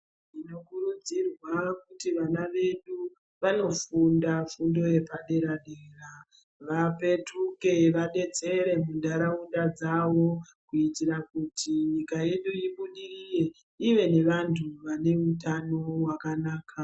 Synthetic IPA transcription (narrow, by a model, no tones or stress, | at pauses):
ino̞kurud͡zirwakutiʋanaʋe̞ɗu | ʋano̞fundafundo̞je̞paɗe̞ɾaɗera | ʋape̞tuke̞ʋaɗe̞t͡se̞ɾe̞mundaɾaundad͡zaʋo̞ | kuitiɾakutʰiɲikaje̞ɗuiɓuɗirije̞ | iʋe̞ne̞ʋantʰuʋane̞utano̞wakanaːka